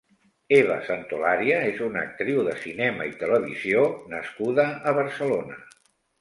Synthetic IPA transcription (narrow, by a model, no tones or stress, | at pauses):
eβə̰sant̪ulaɾiəezunə̰k̚t̪ɾiwðəsinɛməit̪ələβ̞izionəskuðəːβ̞əɾsəlonə